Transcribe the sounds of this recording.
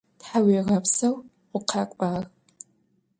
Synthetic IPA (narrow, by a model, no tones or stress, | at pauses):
tħaweɣɐpsɐw | qʷʊqʰɑkʷʼaːɣ